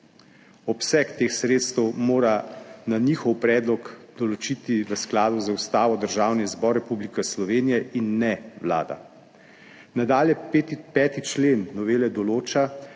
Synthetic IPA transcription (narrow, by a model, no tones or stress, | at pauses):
ɔpsɛkt̪eːxsɾeːt̪st̪ɛwmoːɾananiːxɔwpɾɛːd̪lɔɡd̪̥ɔlɔt͡ʃiːt̪iʋəsklaːd̪uzaust̪aːʋɔd̪əɾʒaːwnizbɔɾːɛpublikɛslɔʋeːnijɛʔinːɛʋla̰ːd̪a̰ | nad̪aːljɛpɛːt̪it͡ʃleːnːɔʋeːlɛd̪ɔloːt͡ʃa